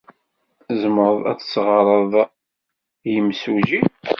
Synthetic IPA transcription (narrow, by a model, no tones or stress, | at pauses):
zəməɾðˤæ̰θsʁəɾˤəðˤ | jəmsuʒi